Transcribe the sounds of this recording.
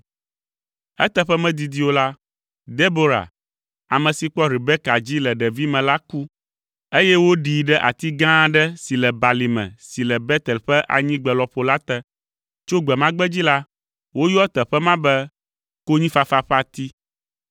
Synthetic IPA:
ɛ̰˦t̪ɛ˦ɸɛ˦mɛ̃˦d̪i˨d̪i˦wo˦la˦ | d̪e˦bo˦ɾa̰˨ | a˨mɛ̃˨si˨k͡pɔ˦ɾi˨bɛ˦ka˨d͡ʑi˦lɛ˨ɖɛ˨vi˦mɛ̃˨la˦ku˦ | e˦jɛ˦wo˦ɖi˨ɖɛ˦ʔa̰˨t̪i˦ɡã˦ɖɛ˦si˨lɛ˨ba˨li˨mɛ̰̃˨si˨lɛ˨bɛ˦t̪ɛ˨lɸɛ˦ʔa̰˨ɲĩ˦ɡ͡bɛ˨lɔ˨ɸo˨la˦t̪ɛ˦ | t͡ʃo˦ɡ͡bɛ˨mã˦ɡ͡bɛ˦d͡ʑi˦la˦ | wo˦jɔ˦ɛ˦t̪ɛ˨ɸɛ˦mã˦bɛ˦ | ko˦ɲĩ˦fa˨fa˦˨ɸa˨t̪i˦

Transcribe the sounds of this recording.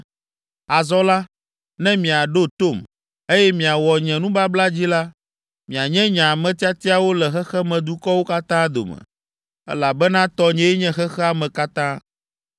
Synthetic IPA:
a˨zɔ˦la˦ | nɛ̃˦mĩ˨a˨ɖo˦t̪o˦˨m | e˦jɛ˦mĩ˨a˨wɔ˨ɲɛ̃˨nũ˦ba˦bla˦d͡ʑi˦la˦ | mĩ˨a˨ɲɛ̃˦ɲã˨a˨mɛ̃˨t̪i˦a˦t̪i˦a˦wo˦lɛ˨xɛ˦xɛ˦mɛ̃˨d̪u˦kɔ˦wo˦ka˦t̪ã˦d̪o̰˨mɛ̰̃˨ | ɛ̰˦la˨bɛ˦nã˦t̪ɔ˦ɲɛ̃˦ɲɛ̃˦xɛ˦xɛ˦a˦˨mɛ̃˨ka˦t̪ã˦

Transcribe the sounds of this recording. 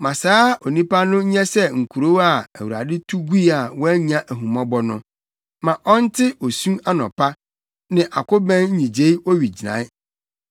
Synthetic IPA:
mã˨saː˦ɔ˨nĩ˦pa˦nʊ̃˦ɲɛ̃˦sɛ˦ŋ̩˨kʰu˨ɾo˦wa˨æ˨wu˨a̰˨dɪ˦tʰu˦ɡu˦i˦a˨wɔ˦æ˦ɲ˦ã˦ʔæ˨ɦũ˨mɔ̃˦bɔ˦nʊ̃˦ | mã˨ʔɔ˦n̩˦tʰɪ˦ɔ˨sũ˦a˦nɔ̰̃˨pʰa˦ | nɪ̃˨ʔa˨kʊ˦bɛ̃˦n̩˦ɲĩ˨d͡ʑe˦i˦ɔ˦ɥi˨d͡ʑi˨nã̰˨˦

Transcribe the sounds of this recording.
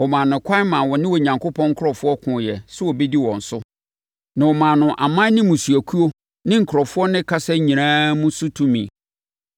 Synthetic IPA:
wɔ˨mãː˨nʊ̃˨kʷʰa˦mã˨wɔ˨nɪ̃˦wɔ˨ɲã˨ŋkʰo˦pʰɔ̃˦ŋ̩˦kʰɾɔ˨fʊ˦ɔ˦kʰʊ̃˨jɛ˨sʊ˦wɔ˨be˦di˦wɔ̃˨n̩˨sʊ˦ | nã˨wɔ˨mã˨nʊ̃˨ʔa˨mã˦nɪ̃˦mũ˨su˨æ˨kʰu˦o˦ | nɪ̃˦ŋ̩˨kʰʊ˨ɾɔ˨fʊ˦ɔ˦nɪ̃˦kʰa˦sɛ˦ɲĩ˨ãː˦mũ˦sʊ˦tʰũ˦mḭ̃˨

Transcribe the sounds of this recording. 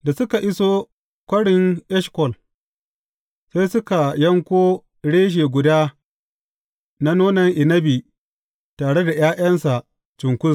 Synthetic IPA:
da˨sʊ˦ka˨ʔɪ˦soː˦ | kʷɐ˦ɽɪ˨ŋʔɛ˦ʃkɔ˨l | se˦jsʊ˦ka˨jɐ˦ŋkʷoː˦ | ɽeː˦ʃ̬eː˨ɡʷʊ˨daː˦ | na˦noː˦nɐ˨ŋʔɪ˨nɐ˦bi˨ | taː˨ɽe˦da˨jaː˦ʔɐ˦nsa˨ | t͡ʃɪ˨ŋkʷʊ˦s

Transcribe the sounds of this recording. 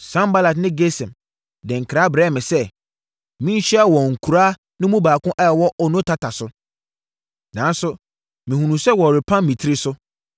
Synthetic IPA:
sã˦mba˦la˨tnɪ̃˦ɡe˦sɛ̃˨m | dɪ̃˨ŋ̩˨kʰɾaː˦bɾɛː˦˨mɪ̃˨sɛ˦ | mĩ˦n̩˦ɕɛ˦a˦wɔ̃˨ŋ̩˨kʰu˨ɾaː˦ | nɪ̃˦mũ˦baː˨kʊ̃˦ʔɛ˦˨wɔ˦ʔɔ˨nʊ̃˦tʰa˦tʰa˨sʊ˦ | nã˨n˦sʊ˦ | mĩ˨hũ˨nũ˨sɛ˦wɔ˨ɾɪ˨pʰã˦mĩ˨tʰɪ˦ɾɪ˦sʊ˦

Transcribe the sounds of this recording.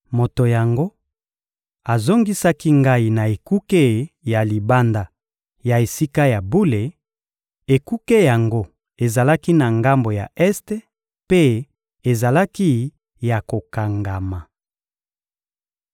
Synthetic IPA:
mo˨to˨ja˨ŋɡo˦ | a˨zo˦ŋɡi˦sa˦ki˦ŋɡa˦i˦˨na˨e˨ku˦ke˦ja˨li˨ba˦nda˨ | ja˨e˨si˦ka˦ja˨bu˦le˨ | e˨ku˦ke˦ja˨ŋɡo˦ | e˨za˨la˦ki˦na˨ŋɡa˦mbo˨ja̰˨ɛ˦ste˦ | pe˦ | e˨za˨la˦ki˦ | ja˨ko˨ka˨ŋɡa˨ma˨

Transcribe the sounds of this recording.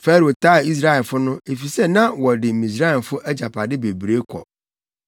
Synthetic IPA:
fɛ˦ɾo˨tʰaː˦˨i˦s̬ɾa˦ɛ˨lfʊ˦nʊ̃˦e˨fi˨sɛ˦nã˦wɔ˨dɪ˨mĩ˨s̬ɾa˦ɛ˨fʊ˦ʔæ˦d͡ʑa˨pʰa˨dɪ˦be˨bɾe˦kʰɔ̰˨

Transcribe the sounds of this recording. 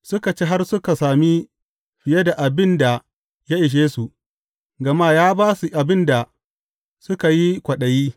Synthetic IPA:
sʊ˦ka˨t͡ʃeː˦ɦa˦rsʊ˦ka˨saː˨mi˦ | ɸɪ˨je˦da˨ʔa˨bɪ˦nda˨ | ja˦ʔɪ˨ʃ̬eː˦su˨ | ɡɐ˨ma˦jaː˦baː˦su˨ʔa˨bɪ˦nda˨ | sʊ˦ka˨ji˦kʷɐ˨ɗɐ˨jiː˦

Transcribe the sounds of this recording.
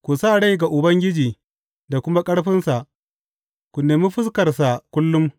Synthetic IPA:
kʷu˨saː˦˨ɽa˦jɡa˨ʔʊ˨bɐ˦ŋɡʲɪ˦d͡ʒiː˨ | da˨kʷʊ˦ma˦kʼɐ˦ɽɸɪ˦nsa˨ʔ | kʷʊ˨neː˨mɪ˦ɸɪ˦skɐ˨rsa˨kʷʊ˦lːʊ˦m

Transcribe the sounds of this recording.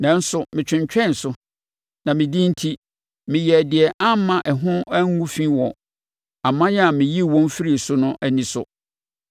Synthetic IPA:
nã˨n̩˦sʊ˨mɪ̃˨t͡ɕᶣʰɪ̃˨ɲt͡ɕᶣɛ̃˦˨n̩˨sʊ˨ | nã˨mɪ̃˨dĩ˦n̩˦tʰi˦ | mɪ̃˨jɛ˨dɪ˨ɛ˨ʔa˦m˦mːã˨ʔɛ˨ɦʊ̃˦æ˦ŋː˦ũ˦fĩ˦wɔ˨ | a˨mã˦ja˨mɪ̃˨ji˦˨wɔ̃˦m˦fi˦ɾi˨sʊ˦nʊ̃˦ʔæ˦nĩ˨sʊ̰˨

